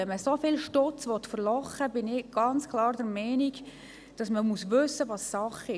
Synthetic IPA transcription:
ɛnməsofɪlʃtɔt͡sʋɔt̪fəɾlɔχːəbɪnɪɡ̥ɑnt͡skʰlɑːɾd̥ɛɾmɛɪniɡ | d̥ɑsməmusʋɵsːəʋɑssɑχɪ

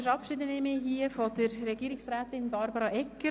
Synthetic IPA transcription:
əɾɑp̚kʃɪd̪ənemɪɦiːəfod̪əɾrɛɡiːɾɪksræːt̪ɪnbɑɾbɑɾɑʔɛkːə

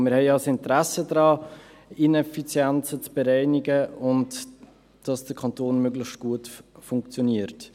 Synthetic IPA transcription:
mɪɾhɛɪjɑsɪntɾæsədɾɑː | inɛfit͡sjɛnt͡sət͡sb̥ɛɾɛɪnɪɡəʊnt | d̥ɑsd̥əkʰɑntoːnmøɡlɪçtɡ̥uətfʊŋkt͡sjoniəɾt

